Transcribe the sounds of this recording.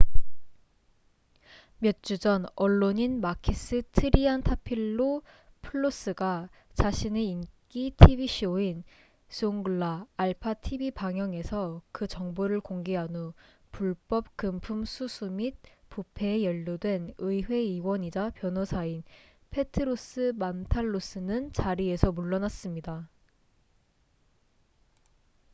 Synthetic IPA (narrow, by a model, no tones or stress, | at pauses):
mjʌt̚t͡ɕ͈ud͡ʑʌnʌɭːoɲinmakʰis͈ɯtʰɯɾiantʰapʰiɭːo | pʰɯɭːos͈ɯɡa | t͡ɕaɕʰineink͈itʰibiɕʰioin | sʰɯoŋɡɯɭːaːɭpʰatʰibipaŋjʌŋe̞sʰʌkɯt͡ɕʌŋboɾɯɭkoŋɡeɦanu | puɭp͈ʌp̚kɯmpʰumsʰusʰumit̚pupʰe̞ːjʌʎːudwe̞nɯiɸwe̞iwʌɲid͡ʑapjʌnʌsʰain | pʰe̞tʰɯɾos͈ɯmantʰaɭːos͈ɯnɯnt͡ɕaɾie̞sʰʌmuɭːʌnas͈ɯmɲida